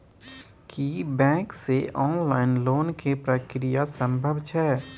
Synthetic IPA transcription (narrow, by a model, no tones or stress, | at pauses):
kibɛ̃ːkseʔɔːnlaːɪnloːnkepɾəkɾijasə̃mbʱəbt͡ʃʰɛː